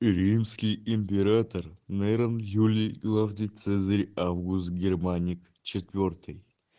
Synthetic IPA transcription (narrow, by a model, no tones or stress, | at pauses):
ɾʲimskʲɪjɪmʲpʲeɾat̪ərnɛɾənjulʲijɡlˠavnɨjt̪sɛzəɾʲavɡust̪ɡʲɪrmanʲɪk | t͡ɕɪt̪vʲort̪ʰɨj